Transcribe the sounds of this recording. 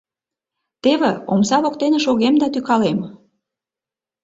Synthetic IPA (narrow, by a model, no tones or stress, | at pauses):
t̪eβeomsɑβok̚t̪eneʃoɣemd̪ɑt̪ykɑlem